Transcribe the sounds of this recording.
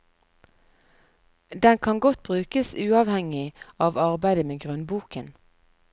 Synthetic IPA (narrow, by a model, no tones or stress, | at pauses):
d̪ɛnkʰɑŋɡɔt̪̚bʁʉːkəsʉːɑːʋhɛŋɪɑːʋɑʁbæɪd̪əmeːɡʁʉnbuːkən